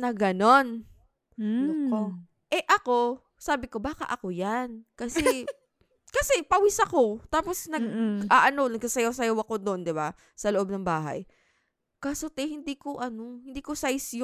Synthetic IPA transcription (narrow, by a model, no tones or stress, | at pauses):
nɐɡɐno̞n | nko | ʔɛʔɐko̞ | saːbɪko̞baːkɐ̰ʔɐko̞jankɐsɛ | kɐsɛpɐwisɐko̞t̪aːposnɐɡ̚aːʔɐno̞nɐɡ̚sɐsɐjosɐjowɐko̞d̪oʔond̪ɪba | sɐloʔo̞b̚nɐŋbaːɦɐ̰j | kasot̪ɛhɪnd̪iːkoʔɐno̞hɪnd̪iːkosajsjo